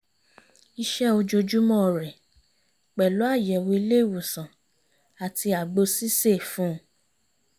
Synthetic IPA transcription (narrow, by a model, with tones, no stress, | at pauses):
i˧ʃɛ˦o˧d͡ʒo˧d͡ʒu˦mɔ̃˦˨ɾɛ˨ | k͡pɛ˨lo˨˦a˦˨jɛ˨wo˧i˧le˦˨wu˨sã˨ | a˨ti˧a˨ɡ͡bo˧si˦se˦˨fũ˦˧˦